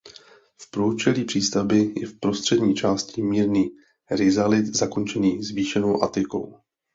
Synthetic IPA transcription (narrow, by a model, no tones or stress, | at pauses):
fpɾot͡ʃɛliːpr̥iːst̪abɪjɛ̰fpɾo̞st̪r̝̥ɛdɲiːt͡ʃaːscɪmiːɾniː | ɾɪzalɪt̪zako̞nt͡ʃɛniːzviːʃɛno̞wʔa̰t̪ɪko̞̰w